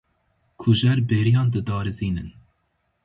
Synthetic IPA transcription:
kʰuʒɛɾbeːɾijɑːnd̪ɨd̪ɑːɾɨziːnɨn

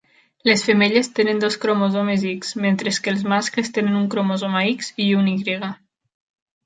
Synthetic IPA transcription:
lesfemeʎest̪enənd̪ɔskɾomozɔmezikz̥ment̪ɾeskeːlˠzmasklest̪enənuŋkɾomozomaikziuniɣɾiɣa

